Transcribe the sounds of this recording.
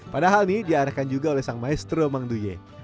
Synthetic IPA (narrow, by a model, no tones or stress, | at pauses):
padaɦalnidiaɾakand͡ʒuɡaolɛhsaŋmaɛst̪ɾomaŋduje